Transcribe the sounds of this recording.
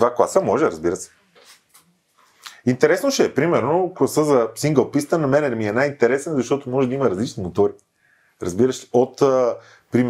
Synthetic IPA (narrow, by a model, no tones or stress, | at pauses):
vakˠasəmɔʒɛɾɐzbiɾəsɛ̥ | int̪ɛɾɛsnoʃɛɛpɾimɛɾnoklˠɐsəzɐsiŋɡəlˠpist̪ənomɛnɛnmiɛnajint̪ɛɾɛsnəzɐʃt̪ɔt̪omɔʒɛd̪ɐiməɾɐzlit͡ʃnimot̪ɔɾi | ɾɐ̰zbiɾəʃɛ̥ot̪ə | pɾim